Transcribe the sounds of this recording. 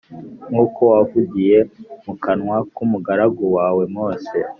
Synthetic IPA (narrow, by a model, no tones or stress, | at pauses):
ŋuːkʰo̞wavuɡije̞mukanŋwakumuɡaɾaɡowaːwe̞mŋoːse